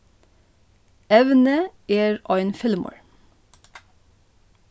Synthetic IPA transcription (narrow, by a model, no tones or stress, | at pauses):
ɛʋnəʔeːɹʔɑɪnfɪlmo̰ɹ